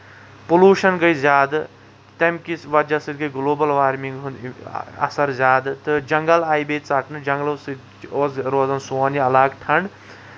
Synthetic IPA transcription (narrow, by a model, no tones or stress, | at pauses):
puluːʃɐnɡɐjzʲaːd̪ɨ | t̪ɐmkisʋɐd͡ʒɐsɨd̪̚ɡɐɡloːbɐlʋaːɾmiŋɡɦunɐ̰sɐɾzʲaːd̪ɨt̪ɨd͡ʒɐŋɡɐlaːjibeːt͡sɐʈnɨd͡ʒɐŋɡlɐsɨ | oːsɾoːzɐnsoːniɐlaːɡʈʰɐɳɖ